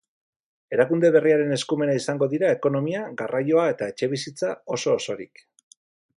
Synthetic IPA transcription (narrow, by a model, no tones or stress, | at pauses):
e̞ɾakund̪e̞βe̞riaɾe̞ne̞skume̞naisaŋɡo̞ðiɾae̞ko̞no̞miaɣarajo̞ae̞t̪ae̞t͡ʃe̞βisit͡sao̞so̞ːso̞ɾḭk